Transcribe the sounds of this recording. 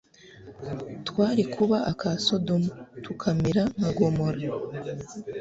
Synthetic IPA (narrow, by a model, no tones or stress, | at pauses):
twaːɾikʰuβaʔakʰaso̞domutukʰamiɾamaɡo̞mo̞ɾa